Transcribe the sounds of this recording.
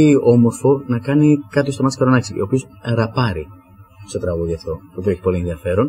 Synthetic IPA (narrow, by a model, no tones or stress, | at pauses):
io̞mo̞ɾfo̞nɐkɐnikɐt̪ost̪oɐt̪skɐɾonɐksiopio̞s | ɾɐpɐɾi | st̪o̞t̪ɾɐɣuðiɐft̪o̞t̪opioei̥po̞lienðiɐfe̞ɾo̞n